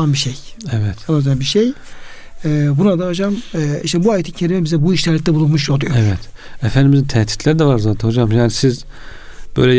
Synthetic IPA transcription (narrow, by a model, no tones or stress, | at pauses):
anbiʃejɛvɛt̪onazøjabiʃej | ɛːbunad̪aɦod͡ʒamɛiʃt̪ɛbuaːjet̪ʰicʰe̞ɾʲimɛbizɛbuiʃt̪ʰɛɾlʲic̚t̪ɛbulˠunmuʃjolˠujoɛvɛt̪efænd̪imizint̪ʰɛht̪ʰi̥t̪lʲæɾid̪ɛvaɾzaːt̪ʰɛnhod͡ʒamjaːnisiz | b̥ø̰jlʲɛ